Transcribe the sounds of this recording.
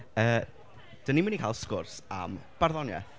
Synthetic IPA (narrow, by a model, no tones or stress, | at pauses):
əː | d̥ənimənikʰaːlˠskʊrsa̰mb̥arðɔnjɛ̰